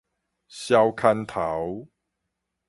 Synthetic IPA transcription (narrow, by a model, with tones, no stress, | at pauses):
ɕja˦wkʰa˦nt̪ʰa˨˦w